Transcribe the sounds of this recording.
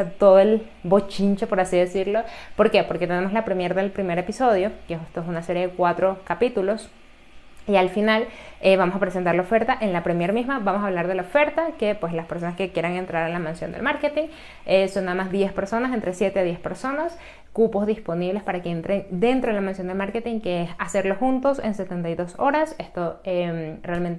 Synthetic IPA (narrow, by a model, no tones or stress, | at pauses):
at̪o̞ðoe̞l | bot͡ʃint͡ʃepo̞ɾasiðe̞siɾlo̞po̞ɾke̞po̞ɾke̞t̪ene̞moslapɾemjeɾðe̞lpɾime̞ɾe̞piso̞ð̞jo̞keesest̪oesunase̞ɾjeðekwat̪ɾo̞kapit̪ulo̞s | ialfinaleβamosapɾesent̪aɾlaofe̞ɾt̪aʔe̞nlapɾemjeɾmizmabamo̞saːβ̞laɾðe̞laofe̞ɾt̪ake̞pwe̞slaspe̞ɾso̞naske̞kje̞ɾaŋe̞nt̪ɾaɾalamansjo̞nd̪e̞̰lmaɾke̞t̪iŋ | eso̞nːaðamazðje̞spe̞ɾso̞nase̞nt̪ɾe̞sje̞t̪e̞aðje̞spe̞ɾso̞nas | kupo̞zðispo̞niβle̞spaɾakeent̪ɾe̞ŋd̪e̞nt̪ɾo̞ðelamẽnsjo̞nd̪elmaɾke̞t̪iŋkeesase̞ɾlo̞xunt̪o̞se̞nse̞t̪e̞nt̪ajðo̞so̞ɾase̞st̪o̞emrealment̪e